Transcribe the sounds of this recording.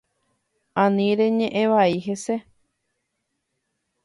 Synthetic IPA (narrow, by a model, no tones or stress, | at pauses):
ãnĩɾeɲẽʔẽʋaiɦe̞se